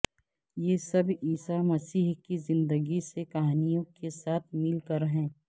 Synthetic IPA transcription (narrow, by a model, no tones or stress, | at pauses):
jeːsɐbiːsamɐsiːɦkizɪ̃nd̪əɡisekɐɦaːnijõkesaːt̪ʰmɪlkəɾɦɛ̃ː